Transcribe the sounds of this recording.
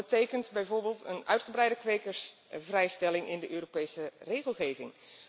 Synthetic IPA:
ətejkəntbɛjvoːɹbeːlˠtənœ̰ɥtχəbrɛjdəkʋejkəɹsvrɛjstɛlɪŋʔɪndəʔøːropejsəreːχəlˠχeːvɪŋ

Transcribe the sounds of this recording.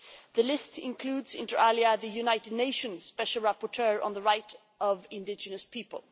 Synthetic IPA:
ðəlɪstɪ̰̃nkʰl̥uːdzɪ̰̃ntə˞ʔaliəðɨjʉnaɪtɨdⁿneɪʃə̃nz̥spɛʃl̩ˠɹæpɔtʰɜɹə̰̃nðəɹaɪɾ | ʌvɪ̃ndɪd͡ʒɨnəspʰipə̰lˠ

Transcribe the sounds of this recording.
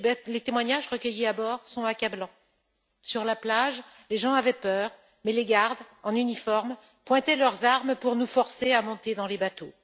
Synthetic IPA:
let̪emwaɲaʒʁəkʲəjiabɔʁsɔ̃akablɑ̃ | syʁlaplaʒ | leʒɑ̃avɛpœːʁ | mɛleɡaʁd̪ɑ̃nynifɔʁm | pwɛ̃t̪ɛlœʁzaʁmpuʁnufɔʁseamɔ̃t̪ed̪ɑ̃lebat̪o

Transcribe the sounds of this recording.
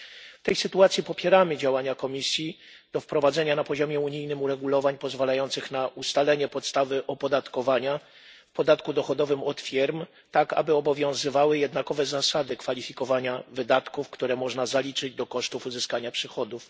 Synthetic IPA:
ft̪ɛjsɘt̪uat̪sʲipɔpʲjɛɾamɘd͡ʑawaɲakɔmʲisʲji | d̪̥ɔfpɾɔvad̪zɛɲanapɔʑɔmʲjɛuɲijnɘmuɾɛɡulɔvaɲpɔzvalajɔnt̪sɘxnaust̪alɛɲɛpɔt̪st̪avɘʔɔpɔd̪at̪kɔvaɲa | fpɔd̪at̪kud̪ɔxɔd̪ɔvɘmɔt̪fʲɛɾm | t̪aka̰bɘɔbɔvʲjɔ̃w̃zɘvawɘjɛd̪nakɔvɛzasad̪ɘkfalʲifʲikɔvaɲavɘd̪at̪kufkt̪uɾɛmɔʐnazalʲit͡ʂɘd͡ʑd̪ɔkɔʂt̪ufuzɘskaɲapʂɘxɔd̪uf

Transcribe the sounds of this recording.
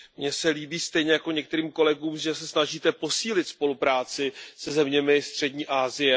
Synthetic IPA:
mɲɛsɛliːbiːst̪ɛjɲɛjako̞ɲɛk̚t̪ɛɾiːmko̞lɛɡuːmʒɛsɛsnaʒiːt̪ɛpo̞siːlɪt̪spo̞lupɾaːt͡sɪsɛzɛmɲɛmɪst̪r̝̥ɛɟɲiːʔaːzɪjɛ

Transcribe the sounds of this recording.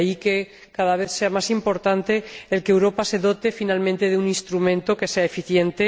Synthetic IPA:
ike | kaðaβ̞e̞θse̞amasimpo̞ɾt̪ant̪e̞elkewɾo̞pase̞ðo̞t̪e̞finalmẽnt̪e̞ðeunĩnst̪ɾumẽnt̪o̞ke̞se̞aefiθje̞nt̪e

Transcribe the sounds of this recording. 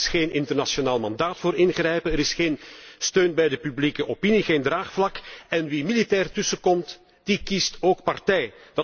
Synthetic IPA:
sxeːnɪntərnasonaːlˠmɑndaːtfoːɾɪnɣrɛjpənəɾɪsxeːnstøːnbɛjdəpyblikəʔopiniɣeːndraːxflɑkɛnʋimilitɛːrtɵsəkɔmt | d̥ikistoːkpɑrtɛjdɑ

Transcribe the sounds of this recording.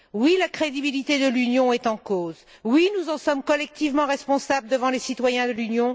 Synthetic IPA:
wilakχed̪ibilit̪ed̪əlynjɔ̃ɛt̪ɑ̃koz | winuzɑ̃sɔmkɔlɛk̚t̪ivmɑ̃ʁɛspɔ̃sabləd̪əvɑ̃lesit̪wajɛ̃d̪əlynjɔ̃

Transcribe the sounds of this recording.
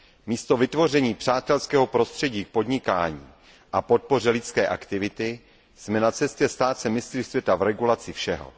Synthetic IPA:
miːst̪o̞vɪt̪vo̞r̝ɛɲiːpr̥aːt̪ɛlskɛːɦo̞pɾo̞st̪r̝̥ɛɟiːk̚po̞d̪ɲɪkaːɲḭː | ʔapo̞t̪̚po̞r̝ɛlɪt͡skɛːʔakt̪ɪvɪt̪ɪ | smɛnat͡sɛscɛst̪aːt͡sɛmɪst̪rɪsvjɛt̪avɾɛɡulat͡sɪfʃɛɦo̰

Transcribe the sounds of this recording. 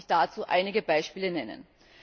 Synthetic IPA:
çd̥aːt͡suːʔa̰ɪnɪɡəbaɪʃpiːlənɛnə̰n

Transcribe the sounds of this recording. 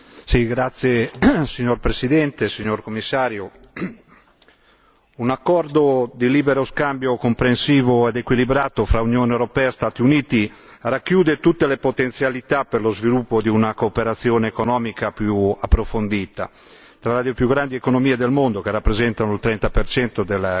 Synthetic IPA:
siɡɾat̪sːjesiɲːorpɾesid̪ɛnt̪esiɲːorkomːisːaːɾjo | unakːɔrd̪od̪iliːbeɾoskambjokompɾensiːvoɛd̪ekwilibɾaːt̪ofɾaunjoːnewɾopɛːaest̪aːt̪iuniːt̪i | rakːjuːd̪et̪ut̪ːelepot̪ent̪sjalit̪aperlozvilupːod̪iunakoːpeɾat̪sːjoːneːkonɔːmikapjuapːɾofond̪iːt̪a̰ | t̪ɾalad̪epjuɡɾand̪iekonomiːed̪elmond̪ok̟erːapːɾezɛnt̪anoilt̪ɾɛnt̪apert͡ʃɛnt̪od̪el

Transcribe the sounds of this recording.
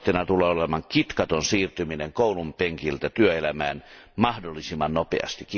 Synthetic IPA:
t̪ːenɑt̪uleːolemɑŋkit̪kɑt̪onsiːrt̪ymineŋkoˑulumpeŋkilt̪æt̪yøelæmæːn | mɑhdolːisimːɑnnopḛɑ̰st̪ikː

